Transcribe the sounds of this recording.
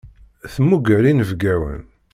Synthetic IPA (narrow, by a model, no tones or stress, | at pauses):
θəmːuɡəɾinəvɡæwə̰n